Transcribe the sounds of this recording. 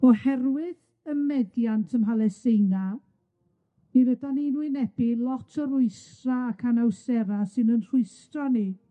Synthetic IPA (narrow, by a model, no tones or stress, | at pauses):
ɔhɛrwɪð | əmɛdjantʰəmɦalˠɛsejna | iɾədaninuɨnɛb̥ɪlˠɔtʰɔɾʊɨsraːkʰanawsɛɾasɨnənr̥ʊɨstrɔni